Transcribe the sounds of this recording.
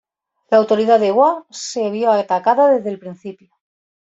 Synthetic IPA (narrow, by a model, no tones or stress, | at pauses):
laːwt̪o̞ɾiðaðeɣwaseβjo̞at̪akaðaðe̞zðelpɾinθipjo